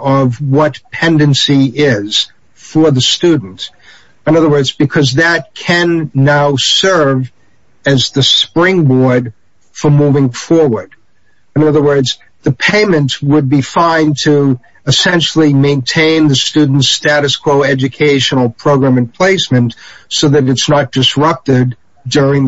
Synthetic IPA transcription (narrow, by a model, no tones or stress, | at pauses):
ʌvwʌtpʰɛ̃ndɨ̃nsiɪz̥ | fə˞ðɨstʉdⁿn̩t | ɨ̃nʌðə˞wɜ˞dzbɨkʰʌzðɨt̚kʰɨ̃nːaʊsɜ˞v | ɨzðɨspɹɪ̃ŋbɔɹd | fə˞muvɪ̃ŋfɔɹwə˞d̥ | ɨ̃nʌðə˞wɜ˞dz | ðɨpʰẽɪ̃mɨ̃ntwəd̚bifãɪ̃ntʰɨ | ɨsɛ̃nʃl̩ˠimẽɪ̃ntʰẽɪ̃nðɨstʉdⁿn̩tstæɾɨskʰw̥oʊɛd͡ʒɨkʰeɪʃnl̩ˠpʰɹ̥oʊɡɹæ̃mɨ̃npʰl̥eɪsmɨ̃ntsoʊðɨɾɨtsnət̚d̥ɨsɹʌp̚tɪd | ʊɹɪ̃ŋ